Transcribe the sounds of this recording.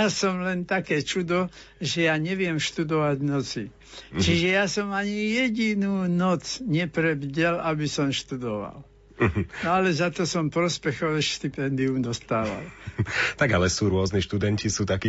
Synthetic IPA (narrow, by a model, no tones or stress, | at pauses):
asɔmlɛnt̪akɛːt͡ʃud̪ɔ | ʒɛjaɲɛʋɪɛmʃt̪ud̪ɔʋaɟnɔt͡si | t͡ʃiʒɛjasɔmaɲijɛɟinuːnɔt͡sɲɛpɾɛbɟɛlabisɔmʃt̪ud̪ɔʋa̰l | ɦnɔalɛzat̪ɔsɔmpɾɔspɛxɔʋɛʃt̪ipɛnd̪iumd̪ɔst̪aːʋa̰lt̪aɡalɛsuːɾʊɔzniʃt̪ud̪ɛncisuːt̪aki